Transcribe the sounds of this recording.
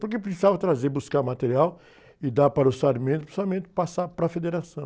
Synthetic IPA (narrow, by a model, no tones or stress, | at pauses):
poɾkepɾisizavɐt̪ɾazebuskaɾmat̪eɾiaw | ɪd̪apaɾɐʊsaɾmẽnt̪ʊpɾsiamẽnt̪ɪ̥pasapɾɐfed̪eɾasɐ̃w̃